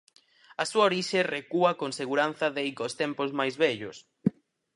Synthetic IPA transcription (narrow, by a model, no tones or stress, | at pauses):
ɐsuɐoɾiʃerekuɐkonseɣuɾan̟θɐðejkost̪ɛmpozmajzβɛʎʊ̰s